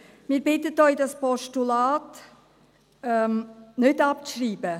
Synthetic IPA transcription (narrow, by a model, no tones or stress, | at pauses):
miːbɪtətœʏdɑspɔʃtulaːt | ɛmnʏdɑp̚ʃriːbə